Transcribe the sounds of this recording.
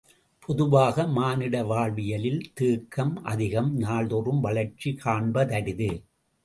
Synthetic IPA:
pʰɔðʊʋaːɣɐmaːnɪɽɐʋaːɭʋɪjɐlɪlt̪iːkːɐmʔɐ̰ðɪɣɐmnaːɭðɔrɯmʋɐɭɐɾt͡ʃːikʰaːɳbɐðɐɽɪðɯ

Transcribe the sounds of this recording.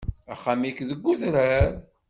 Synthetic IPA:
æχːamikðəɡːuðɾæɾ

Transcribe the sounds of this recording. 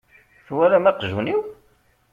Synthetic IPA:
θwæɾamæqʒuniw

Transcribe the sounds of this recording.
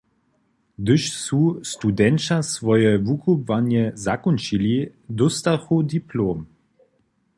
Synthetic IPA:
d̪əʃsust̪ud̪ɛnt͡ʃasvɔjɛvukʰubvanjɛzakɔnt͡ʃilʲid̪ɔst̪axud̪iploːm

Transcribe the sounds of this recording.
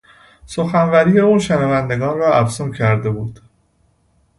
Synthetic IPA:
soxænvæɾiːjeuːnʃenævænd̪e̞ɡɒːnrɒːʔæfsumcʰæɾd̪e̞buːd̪̥

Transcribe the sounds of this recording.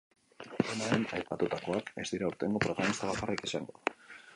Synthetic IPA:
enaɾenajpat̪ut̪ako̞ake̞zd̪iɾauɾt̪e̞ŋɡo̞pɾo̞ɣamist̪aβakarekisaŋɡoð

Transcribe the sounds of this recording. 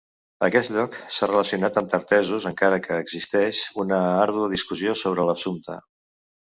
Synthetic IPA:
əkɛst̪ʎɔksarələsiunat̪əmt̪əɾt̪ɛzuzəŋkaɾəkəːɡzist̪ɛʃunəaɾðuəðiskuziosoβ̞ɾələsunt̪ə̰

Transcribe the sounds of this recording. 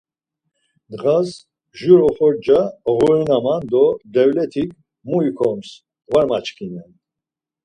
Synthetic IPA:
d̪ʁas | ʒuɾɔχɔɾd͡ʒaʁɔɾunamand̪ɔd̪ɛvlɛt̪ʰik̚ʰ | muikʰɔms | vaɾmat͡ʃkʰinɛn

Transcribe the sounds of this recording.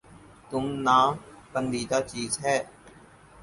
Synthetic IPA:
t̪ʊmnãːkənd̪iːd̪aːt͡ʃiːzɦɛː

